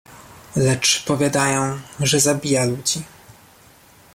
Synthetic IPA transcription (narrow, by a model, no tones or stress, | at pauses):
lɛt͡ʂpɔvʲjad̪ajɔ̃w̃ʐɛzabʲijalud͡ʑi